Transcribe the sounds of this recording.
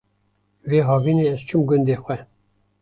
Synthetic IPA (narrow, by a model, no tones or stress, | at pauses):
veːɦɑːvineɛz̥t͡ʃʰumɡʊnd̪eːxʷɛ